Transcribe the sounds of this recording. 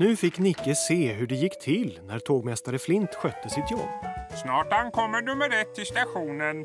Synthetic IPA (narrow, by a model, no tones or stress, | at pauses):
nʉ̟ːfɪkːnɪkːəseːɦɵɖɛjɪkːt̪ʰɪlnæɾt̪ʰoːɡmɛst̪aɾəflɪnt̪ɧœt̪ːəsɪt̪jɔ̰bːsnɑːʈankʰɔmːənɵmːəɾɛt̪ʰːɪlst̪aɧuːnən